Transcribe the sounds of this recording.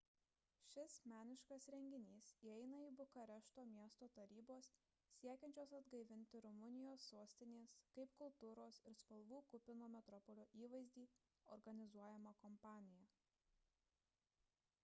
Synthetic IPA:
ʃʲɪsmʲæːnʲɪʃkɐsɾʲɛŋʲɡʲɪnʲiːsiɛɪnɐiːbʊkɐɾʲɛʃt̪oːmʲiɛst̪oːt̪ɐɾʲiːboːsːʲ | iɛkʲɛnʲt͡ʃʲoːsɐd̪ɡɐɪʋʲɪnʲt̪ʲɪɾʊmʊnʲɪjoːsːoːsʲt̪ʲɪnʲeːskɐɪpkʊlˠt̪uːɾoːsɪɾspɐlˠʋuːkʊpʲɪnoːmʲɛt̪ɾɔpɔlʲoːʔiːʋɐɪzʲd̪ʲiː | ɔɾɡɐnʲɪzuɔjɛmɐkɔmpɑːnʲɪjɛ

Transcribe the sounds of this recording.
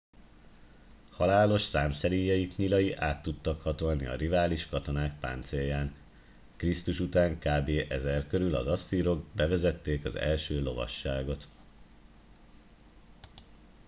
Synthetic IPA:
hɒlaːlo̞ʃsaːmsɛɾijːɒjikɲilɒjiʔaːt̪ːut̪ːɒkhɒt̪o̞lnḭɒ̰rivaːliʃkɒt̪o̞naːk̚pa̰ːnt̪seːjːaːn | krist̪uʃut̪aːŋkaːbeːʔɛzɛrkøɾylɒ̰zɒsːiːɾo̞ɡ̚bɛvɛzɛt̪ːeːkɒzɛ̰lʃøːlo̞vɒ̰ʃːaːɡo̞t̪

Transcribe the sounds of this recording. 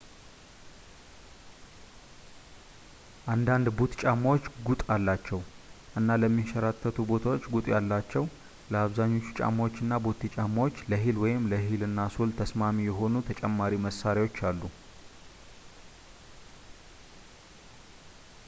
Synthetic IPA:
ʔand̪and̪bot̪t͡ʃʼamːawot͡ʃːɡut̪ʼalːat͡ʃːɛwʔɨnːaləmːiʃəɾat̪ʰːət̪ʰubo̞t̪ʰawot͡ʃːɡut̪ʼjalːat͡ʃːɛw | ləaβzaɲːo̞t͡ʃːu̥t͡ʃʼa̰mːawot͡ʃːɨnːabot̪it͡ʃʼamːawot͡ʃːləɦilwɔjɪmləɦilɨnːasolt̪ʰəsmamijɛɦo̞nut̪ʰət͡ʃʼɛmːaɾiməsːaɾiwo̞t͡ʃːalːu

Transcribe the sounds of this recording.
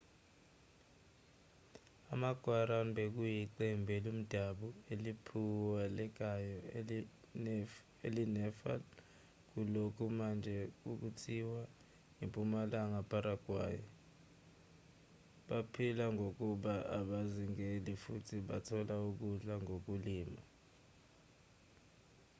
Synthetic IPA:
amaɡ̥ʱwaɾanbɛk̬ujiǀɛmbʱɛlum̩d̥ʱaɓuelipʰuwalɛk̬ʼajɔ | elinɛfa̰l | k̬ulokʰumand͡ʒʱɛkuk̬utʰiwa | impʼumalaŋapʰʼaɾaɡ̥ʱwa̰ːjɔ | ɓapʰilaŋok̬uɓaʔa̰ɓaziŋelifutʰiɓatʰɔlauk̬uɮaŋok̬uliːma

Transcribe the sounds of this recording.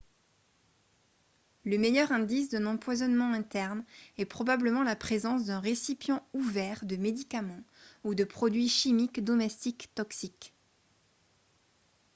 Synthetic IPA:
ləmejœʁɛ̃d̪is̬d̪ɛ̃nɑ̃pwazɔnmɑ̃ɛ̃t̪ɛʁnɛpχɔbabləmɑ̃lapχezɑ̃s̬d̪ɛ̃ʁesipjɑ̃uvɛʁd̪əmed̪ikamɑ̃ud̪əpχɔd̪ɥiʃimikd̪ɔmɛst̪ikt̪ɔksik

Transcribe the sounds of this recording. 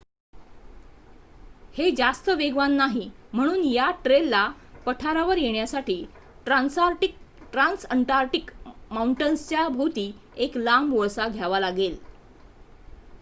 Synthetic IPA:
hed͡ʑast̪əʋeɡʋanːaɦim̤əɽ̃uːnjaʈɾelːa | pəʈʰaɾaʋəɾjeɳjasaʈiː | ʈɾansaɾʈik̚ | ʈɾãnsəɳʈaɾʈikmauɳʈənst͡ɕjabʱut̪iː | eklamʋoɭsaɡʱjaʋalaɡel

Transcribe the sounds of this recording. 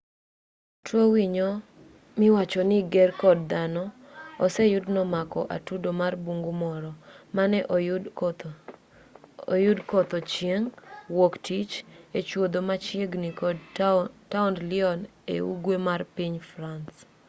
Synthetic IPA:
tʰwowiɲɔ | mɪwat͡ʃɔnɪɡɛrkɔd̚d̪anɔ | ɔsɛjʊdnɔmakɔʔa̰tudomarbuŋɡumɔɾɔmanɛʔ | ojʊdkɔt̪ɔt͡ʃjeŋwoktʰit͡ʃet͡ʃwod̪omat͡ʃjeɡnik | taundlɪɔn | ḛṵɡwemarpiɲfrans

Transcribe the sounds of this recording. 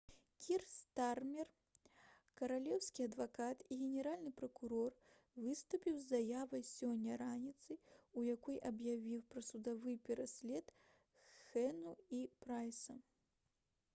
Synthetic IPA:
kʲʰirst̪armʲɛr | kɐɾalʲɛwsʲkʲiɐd̪vakat̪iɣʲɛnʲɛɾalʲnɨpɾɐkuɾɔr | vɨst̪upʲiwzːajavɐjsʲɔnʲːɐɾanʲit̪sɨjujakɔjʔɐbjavʲiwpɾɐsud̪avɨjpʲɛɾasʲlʲɛt̪ | xɛnuipɾajsɐ

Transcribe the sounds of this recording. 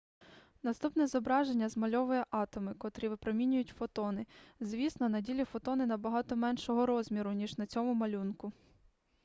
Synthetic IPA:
nɐst̪upnɛzɔbɾɑʒenʲːɐzmɐlʲɔʋʊjɛʔɑt̪ɔmɪkɔt̪ɾiʋɪpɾɔmʲinʲʊjʊtʲfɔt̪ɔnɪzʲʋʲisnɔnɐdʲilʲifɔt̪ɔnɪnɐbɐɦɑt̪ɔmɛnʃɔɦɔɾɔzʲmʲiɾʊnʲiʒnɐt͡sʲɔmʊmɐlʲunkʊ

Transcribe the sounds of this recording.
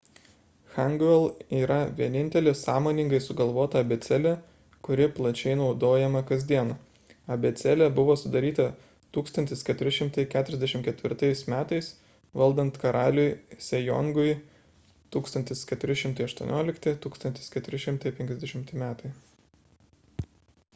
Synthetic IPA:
xɐŋɡʋʲɛlˠiːɾɐʋʲiɛnʲɪnʲt̪ʲɛlʲɪsɑːmoːnʲɪŋɡɐɪsʊɡɐlˠʋoːt̪ɐɐbʲɛt̪sʲɛlʲɛ | kʊɾʲɪplˠɐt͡ʃʲɛɪnɒʊd̪oːjɛmɐkɐzʲd̪ʲiɛn | ɐbʲɛt̪sʲɛlʲɛbʊʋoːsʊd̪ɐɾʲiːt̪ɐ | t̪uːkst̪ɐnʲt̪ʲɪskʲɛt̪ʊɾʲɪʃʲɪmt̪ɐɪkʲæːt̪ʊɾʲɛzd̪ʲɛʃʲɪmtkʲɛt̪ʲʋʲɪ̰ɾt̪ɐɪsmʲæːt̪ɐɪs | ʋɐlˠd̪ɐnt̪kɐɾɑːlʲʊjsʲɛjɔ̰ŋɡʊɪ | t̪uːkst̪ɐnʲt̪ʲɪskʲɛt̪ʊɾʲɪʃʲɪmt̪ɐɪɐʃt̪uɔ̰nʲoːlʲɪkt̪ʲɪt̪uːkst̪ɐnt̪ʲɪ̥skʲɛt̪ʊɾʲɪʃʲɪmt̪ɐɪpʲɛŋʲkʲɛzd̪ʲɛʃʲɪmt̪ʲɪmʲæːt̪ɐɪ

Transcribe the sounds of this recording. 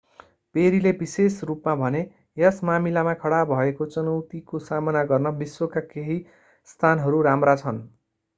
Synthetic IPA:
peɾilebisesrupmabʱʌne | jʌsmamilamakʰʌɽabʱʌekot͡sʌnʌwt̪ikosamʌnaɡʌrnʌbiswokakeɦi | st̪ʰanɦʌɾuɾamrat͡sʰʌn

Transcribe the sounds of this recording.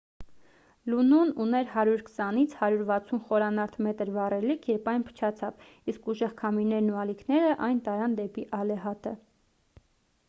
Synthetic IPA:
lunununɛɾhɑɾjuɾkʰə̥sɑnit͡sʰhɑɾjuɾvɑt͡sʰunχɔɾɑnɑɾt̪ʰmɛt̪əɾvɑrɛlikʰjɛɾpɑjnpʰə̥t͡ʃʰɑt͡sʰɑv | iskuʒɛʁkʰɑmiɾnɛɾnuɑlikʰnɛɾəʔɑjnt̪ɑɾɑnd̪ɛpiʔɑlɛɦɑt̪ə

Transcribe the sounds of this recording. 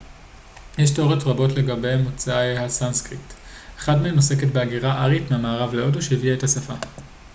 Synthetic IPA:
jeʃtoʁetʁabo̞tle̞ɡabejamot͡saahasanskʁipt | eχadmeemnose̞ke̞tbeaɡiʁaʔaʁitmeamaːʁavleo̞doʃeiviaethasafa

